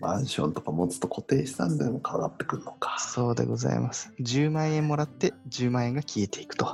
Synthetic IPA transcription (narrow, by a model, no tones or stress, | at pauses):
mãɰ̃ɕõ̞̰nt̪o̞kamot͡sɨ̥t̪ːo̞kʰo̞t̪e̞ːɕi̥t̪ãnd̪emokʰaaɡa̰t̪ːe̞kɯ̟ɾɯnokḁso̞ːd̪ḛɡo̞za̰ḭmasɨ̥ʑɨːmãɰ̃ẽ̞mːo̞ɾat̪ːe̞d͡ʑɨːmãɰ̃ẽŋɡakʲʰie̞t̪ʰe̞ikɯ̟̥t̪o̞